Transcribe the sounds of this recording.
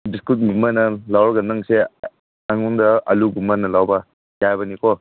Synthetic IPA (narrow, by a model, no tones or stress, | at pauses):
biskut̚ɡumanɐlawɾɡɐnaŋse | aŋundɐɐluɡumanɐlawba | jajbɐnikɔ